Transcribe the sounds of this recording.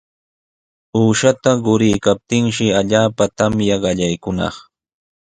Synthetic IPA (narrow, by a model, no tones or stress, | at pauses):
uːʃat̪aɢʊɾɪjkap̚t̪ɪŋʃɪaʎaːpat̪amjaɢɑʎajkʊnɑ̰χ